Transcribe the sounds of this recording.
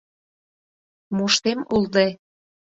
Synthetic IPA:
muʃt̪emuld̪e

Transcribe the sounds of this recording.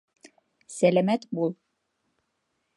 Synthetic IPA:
sælæmæt̪bulˠ

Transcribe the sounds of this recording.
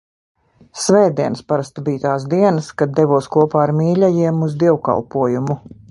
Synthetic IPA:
svɛːd̪iɛnspaɾast̪biːt̪aːsd̪iɛnəskad̪̚d̪ːɛvuɔskuɔpaːaɾmiːlʲɛjiɛmuzd̪iɛwka̰lˠpuɔjumu

